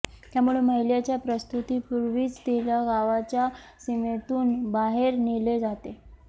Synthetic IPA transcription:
t̪jamuɭeməɦjljat͡ɕjapɾəst̪ut̪iːpuɾʋiːt͡sd̪eljaɡaʋat͡ɕja | simet̪uːnbaɦeɾniled͡zat̪e

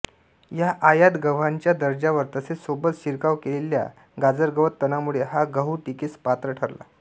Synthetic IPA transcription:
jaʔajad̪ɡəʋ̤aɲt͡ɕjad̪əɾd͡ʑaʋəɾt̪əsesobət̪ɕiɾkaʋkelelja̰ | ɡad͡zəɾɡəʋət̪ːənamuɭeɦaɡəɦuʈikiːspat̪ɾəʈʰəɾla̰

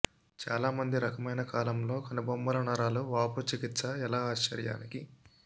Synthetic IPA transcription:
t͡ʃaːlaːmɐnd̪iɾɐkɐmɐjnɐkaːlɐmlo̞ːkɐnɐbɐmːbɐlɐnɐɾaːluʋaːput͡ʃikit̪sɐɛlaːaːʃt͡ʃɐ̰ɾja̰ːniki

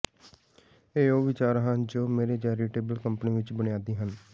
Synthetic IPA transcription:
eːoːʋɪt͡ʃaːɾɦənd͡ʒoːmeːɾeːt͡ʃɛːɾiːʈeːbəlkəmpniːʋɪt͡ʃbənɪjaːd̪iːɦən

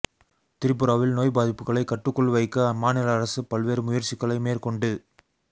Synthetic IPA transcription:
t̪ɪɾɪp̬ːɯɾaːʋɪlnoːjbaːðɪpːɯɣɐɭɐɪkːɐʈːɯkːɔɭʋɐɪkːɐmaːnɪlɐɐːɾɐsɯpɐlʋeːɾɯmʊjɐɾt͡ʃɪkːɐɭɐɪmeːɾkɔɳɖɯ

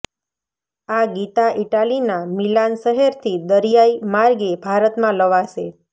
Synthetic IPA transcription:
aɡit̪aʔiʈalinamilanʃəɦeɾt̪ʰid̪əɾijaimaɾɡebʱaɾət̪mãləʋaʃe

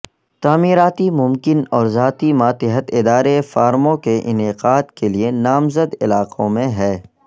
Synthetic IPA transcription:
t̪aːmiːɾaːt̪imʊmkɪnɔːɾzaːt̪imaːt̪ɪɦət̪ɪd̪aːɾefaːɾmõkeʔɪnɪqaːd̪kelienaːmzəd̪ɪlaːqʰõmẽɦɛː

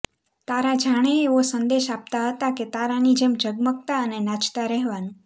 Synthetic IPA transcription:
t̪aɾad͡ʒʱaɽ̃eːʋosənd̪eʃap̚t̪aɦət̪aket̪aɾanid͡ʒemd͡ʒəɡmək̚t̪aənenat͡ʃt̪aɾɛɦʋanũ

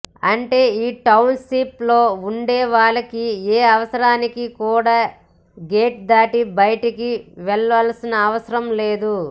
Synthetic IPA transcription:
ɐɳʈe̞ːiːʈɐwnʃiplo̞ːuɳɖɛːʋaːɭɐkieːɐʋɐsɐɾaːnikikuːɽaː | ɡe̞ːʈ̚d̪aːʈibɐjɐʈikiʋɛɭʋɐlsinɐːʋɐsɐɾɐmle̞ːd̪u

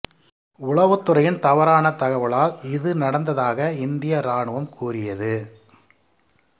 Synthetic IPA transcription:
ʊɭɐʋɯt̪ːɯrɐjɪnt̪ɐʋɐɾaːnɐt̪ɐɣɐʋɐɭaːlɪðɯnɐɽɐnd̪ɐðaːɣɐɪnd̪ɪjɐɾaːɳɯʋɐmkuːrɪjɐðɯ

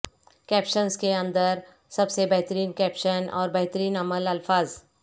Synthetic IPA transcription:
kɛːpʃənzkeɐ̃nd̪əɾ | sɐbsebɛɦt̪əɾiːnkɛːpʃənɔ̰ːɾbɛɦt̪əɾiːnɐməlɐlfaːz

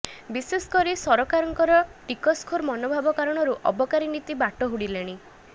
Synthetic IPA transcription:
bisesɔ̥kɔɾisɔɾɔkaɾɔŋkɔɾɔʈikɔskʰoɾmɔnobʱabɔkaɾɔɽ̃ɔɾuʔɔ̰bɔkaɾinit̪ibaʈɔɦuɽileɽ̃i

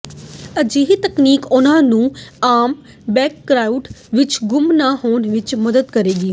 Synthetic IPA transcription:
əd͡ʒiːɦit̪əkniːkʊnãːnũːaːm | bɛːkːɾaːʊɖʋɪt͡ʃɡʊmnaːɦoːnʋɪt͡ʃməd̪əd̪kəɾeːɡiː

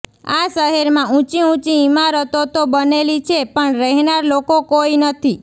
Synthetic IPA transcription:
aʃəɦeɾmãũt͡ʃiũt͡ʃiːmaɾət̪ot̪obənelit͡ʃʰepəɳɾəɦnaɾlokokoinət̪ʰi

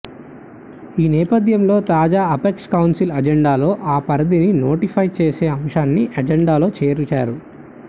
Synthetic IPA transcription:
iːnɛːpɐd̪ʱjɐmlo̞ːt̪aːd͡ʒaːɐpekskɐwnsilɐd͡ʒeɳɖaːlo̞ːʔaːpɐɾɐd̪inino̞ːʈipʰɐjt͡ʃeːse̞ːɐmʂaːnːiʔɐd͡ʒɛɳɖaːlo̞ːt͡ʃeːɾut͡ʃa̰ːɾu

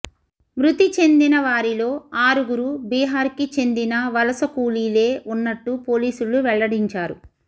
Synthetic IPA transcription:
mɾut̪it͡ʃe̞nd̪inɐʋaːɾilo̞ːaːɾuɡuɾubiːɦaːɾkit͡ʃe̞nd̪inɐʋɐlɐsɐkuːliːle̞ːʔunːɐʈːupoːliːsuɭuʋɛɭːɐɽiɲt͡ʃaːɾṵ

